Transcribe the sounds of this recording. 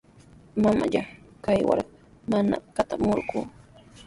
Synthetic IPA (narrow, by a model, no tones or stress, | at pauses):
mama̰ʎakajwa̰ɾ | mana̰kat̪amʊɾɢuː